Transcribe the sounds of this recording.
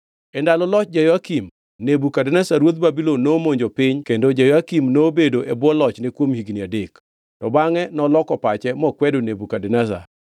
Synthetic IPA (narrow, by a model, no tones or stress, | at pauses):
ɛndalɔlɔt͡ʃ̚d͡ʒajoakim | nebukadɛnɛsaɾwot̪̚babilonːomoɲd͡ʒopɪɲkendod͡ʒajɔakimnobedoʔɛbwɔlɔt͡ʃnekwomhiɡniadek | tɔbaŋɛnɔlɔkɔpat͡ʃɛmɔkwɛdonebukadɛnɛs̬a̰